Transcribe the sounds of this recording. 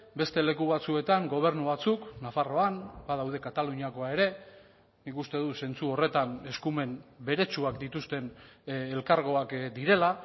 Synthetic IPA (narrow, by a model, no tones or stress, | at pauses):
be̞st̪e̞le̞kuβat͡sue̞t̪aŋɡo̞β̞e̞ɾnuβat͡suknafaro̞anbaðawðe̞kat̪aluɲiako̞ae̞ɾe̞ | nikust̪e̞ðuse̞nt͡suo̞re̞t̪ane̞skume̞nbe̞ɾe̞t͡ʃuakd̪it̪ust̪e̞nelkaɾɣ̞o̞akd̪iɾe̞la